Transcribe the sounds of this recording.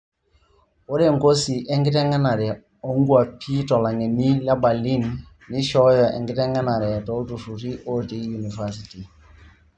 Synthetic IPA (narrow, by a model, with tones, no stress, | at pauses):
o˦ɾɛ˦˨ŋ˨ko˦si˨ʔɛ˦ŋɡɪ˦tɛ˦ŋɛ˦na˨ɾɛ˨ | o˦ŋɡu˦a˨pʰi˦tɔ˨la˨ŋɛ˨ni˦la˦ba˨li˦nː | ɪ˦ʃɔ˦jɔ˨ʔɛ̰˨ŋɡɪ˦tɛ˦ŋɛ˦na˨ɾɛ˨tɔ˦ltu˨fu˨ɾi˦ʔo˦ɾti˦ju˨ni˨fa˦si˨ti˨